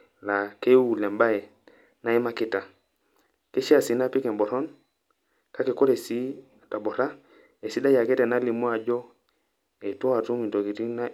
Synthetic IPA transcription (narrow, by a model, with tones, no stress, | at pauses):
la˨ke˦u˨le˨mba˦e˨ | na˦i˦ma˦ki˦˨ta˨ | ke˦ʃi˦a˨si˨˦na˦pi˦ke˨mbo˨ɾo˦n | ka˦ke˨ko˦ɾe˨si˦˨ | ta˨bo˨ɾa˦ | e˨si˦da˦ja˨ke˦te˨na˦li˨mo˦a˨d͡ʒo˦ | e˨to˦a˨tu˦mi˨nto˨ki˨ti˦na˦